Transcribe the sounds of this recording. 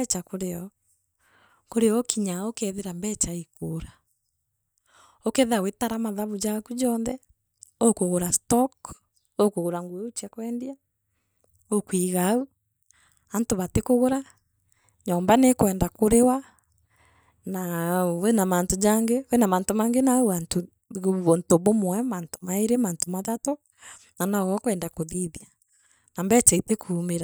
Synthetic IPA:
t͡ʃakoɾeɔ | koɾeɔkiɲaokɛðeɾambɛt͡ʃaikoːɾa | okɛðeawetaɾamaðaβud͡ʒakud͡ʒɔːnðɛ | okoɣoɾastɔk | okoɣoɾaŋɡueot͡ʃɛkwɛndia | okwiɣau | antoβatekoɣoɾa | ɲɔːmbanekwɛːndakoɾewa | nawenamaːntod͡ʒaŋɡewenamantomaːŋɡenauanto | ontoβomwɛmaːnto̥maeɾemaːntomaðatɔ | nanaɣɔkwɛːndakoðiðja | nambɛt͡ʃɛitekʰumeɾa

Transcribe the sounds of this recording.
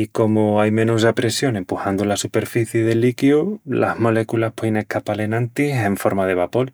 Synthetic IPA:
iko̞moajmẽ̞nusapɾe̞sjo̞ne̞mpuhand̪ulasupe̞ɾfiθjeðe̞likjula̰hmo̞le̞kulaspweðenehkapale̞nãnt̪ise̞ɱfo̞ɾmaðe̞βapo̞l

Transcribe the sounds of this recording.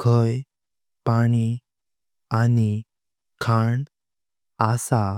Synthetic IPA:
kʰəj | paɽ̃i | ani | kʰaɳ | asa

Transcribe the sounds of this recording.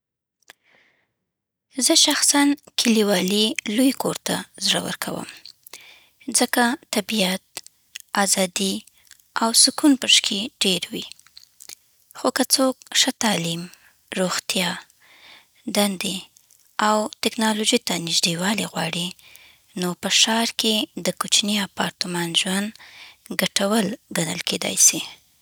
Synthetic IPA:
zəʃaxsankʰɪliwɑlilujkʰoɾt̪azɽa̰wə̰ɾkʰa̰wə̰m | zəkat̪abijat̪̚ | azɑd̪i | awsʊkunpəʂkʰeɖeɾwi | xokat͡sok̚ʃət̪ɑlim | ɾoxt̪jɑ | d̪and̪e | awt̪ɪknɑloʒit̪anɪʒɖ̪ewɑliɣwɑɽi | nopəʃɑɾked̪əkut͡ʃniapɑɾt̪əmɑnʒwand̪ɡaʈawəlɡanə̰lkʰed̪ɑ̰jsi

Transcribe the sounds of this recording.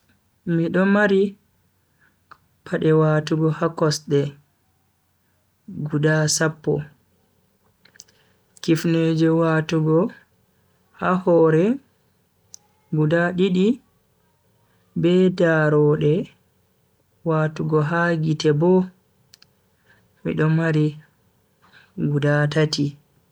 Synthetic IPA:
miɗɔmaɾi | pʰaɗɛwaːtuɡɔhakɔsɗɛ | ɡudasapːɔ̰ | kifneːd͡ʒɛwaːtuɡɔ | hahɔːɾɛ | ɡudaɗiɗi | bɛdaɾɔɗɛ | waːtuɡɔɦaɡitɛbɔ | mḭɗɔmaɾi | ɡudatati

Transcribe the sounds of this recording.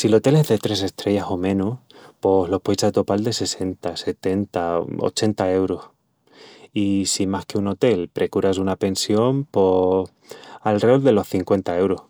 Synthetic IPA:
silo̞t̪e̞le̞zðe̞t̪ɾe̞se̞st̪ɾe̞ʝaso̞mẽ̞nuspo̞hlo̞hpojsat̪o̞pald̪e̞se̞se̞nt̪ase̞t̪e̞nt̪ao̰t͡ʃe̞nt̪ae̞wɾos | isimahkeuno̞t̪e̞lpɾe̞kuɾasunape̞nsjo̞mpo | alrold̪e̞lo̞hθiŋkwe̞nt̪ae̞wɾoh

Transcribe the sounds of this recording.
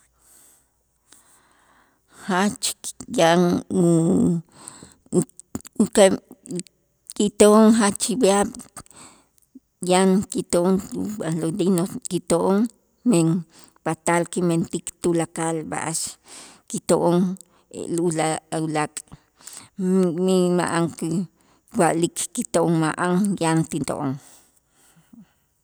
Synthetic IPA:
hat͡ʃjaʔŋ | ka | kit̪oʔoŋɦat͡ʃibiaɓ | jaŋkit̪ooŋubalod̪inokit̪oʔoŋ | meŋ | pat̪alkiment̪ikt̪ulakalba̰ʔaʃkit̪oʔoŋ̰ | lulaulakʼ | mima̰ʔaŋki | waʔlikʰkit̪oʔoŋmaʔaŋjant̪int̪o̰ʔoŋ

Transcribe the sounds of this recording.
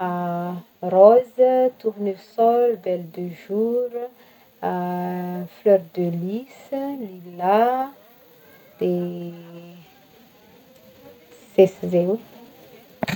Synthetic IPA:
rɔzət̪uʁnysɔlb̪ɛld̪əʒuɾə | flœɾd̪əlisəlila | d̪̥e | z̥eszew

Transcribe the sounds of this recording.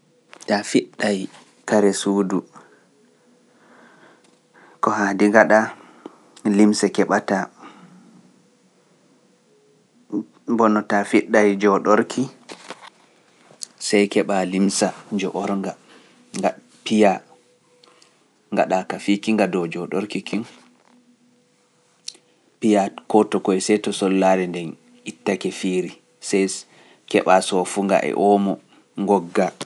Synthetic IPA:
tafiɗːaj | kaɾɛsuːdu | kɔhaːdiŋɡaɗa | limsakɛɓata | bɔnɔtafiɗːajd͡ʒɔɗɔɾkʰi | sajkɛɓalimsad͡ʒɔʔɔɾŋɡa | ŋa | pija | ŋɡa̰ɗakafikiŋɡadɔd͡ʒɔɗɔɾkikin | pijakɔtɔkɔɛsɛtɔsɔlːaɾɛndɛn | itːakɛfiːɾi | sɛj | kɛɓasɔfuŋɡa̰ʔɛ̰ʔɔmɔ | ŋɡɔɡːa

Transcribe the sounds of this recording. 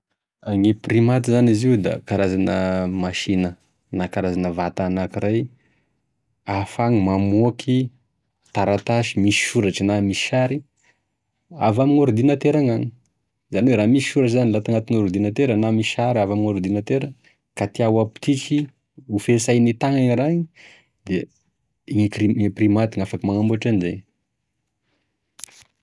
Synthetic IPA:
aŋeprimat̪izaniziwd̪a̰kaɾazanəmaʃinə | nakaɾazanəvat̪anakiɾaj | afaŋimamokʰi | t̪aɾat̪aʃimisi̥ʃuɾaʈ͡ʂnami̥ʃaɾi | a̰vamiŋoɾud̪inət̪eɾaŋaŋi | zaniweɾaːmisi̥ʃuɾaʈ͡ʂzanilat̪aŋat̪iŋoɾud̪inat̪eɾənamisaɾavamiŋoɾud̪inat̪eɾa | kat̪iawapu̥t̪iki | ufesajnit̪aŋaŋiraɲi | d̪e | iŋekriŋeprimat̪iŋafakimaŋambuaʈ͡ʂanize

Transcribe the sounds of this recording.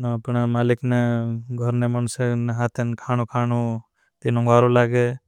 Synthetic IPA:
npɳamaːlɪkneɡʱɔɾnemənseneɦat̪ʰenkʰaːñũkʰaːnu | t̪inõŋɡaːɾolaːɡe

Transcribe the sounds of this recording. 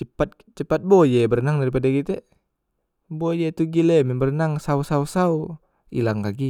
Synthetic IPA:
t͡ʃəpat̪̚ | t͡ʃəpat̪̚bojɛbərnaŋdaɾip̬adakit̪ɛ | bojet̪uɡilɛmɛbərnaŋsausausau | ḭlaŋkaɡi

